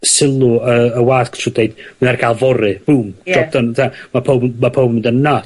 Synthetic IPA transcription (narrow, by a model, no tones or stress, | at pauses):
sɪlˠʊəəwaːskʰtʰrʊd̥ejdmɨnarɡʰalˠvɔɾɨb̥uːmd̥ɔp̚d̥əntʰamapʰowbmapʰowbmɪndənna